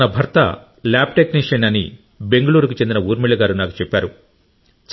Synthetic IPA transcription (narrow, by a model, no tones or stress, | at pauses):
nɐbʱɐɾt̪ɐ̰ | laːb̚ʈekniʂɐnɐnḭ | be̞ŋɡɐɭuːɾukut͡ʃe̞nd̪inɐuːɾmiɭːɐɡaːɾunaːku̥t͡ʃepːaːɾu | t͡ʃ